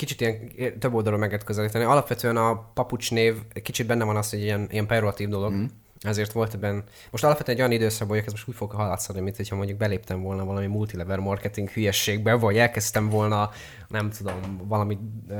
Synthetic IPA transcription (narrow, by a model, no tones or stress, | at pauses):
kit͡ʃit̪ijɛŋt̪øbːo̞ld̪ɒlolmɛɡeːɾt̪køzɛliːt̪ɛniɒlɒpʋɛt̪øːɛnɒpɒput͡ʃneːvɛkit͡ʃid̪̚bɛnːɛvɒnɒsho̞ɟijɛnijɛmpɛroɒt̪iːvd̪o̞loɡ | ɛzeːrt̪ʋo̞lt̪ɛbɛnː | mo̞ʃt̪ɒlɒpfvɛt̪øɛnɛɟojɒnid̪øːsɒɡbɛɦoɒkɛzmo̞ʃt̪uːcfo̞ɡɦɒlɒt̪sod̪nimint̪ho̞cʰhɒmo̞ɲɟuɡ̚bɛleːpt̪ɛɱvo̞lnɒvɒlɒmimult̪ilɛvɛrmɒrkɛt̪iŋkhyjɛʃeːɡ̚bɛvɒɟɛlkɛst̪ɛɱvo̞lnɒ | nɛmt̪ud̪o̞mvɒlɒmi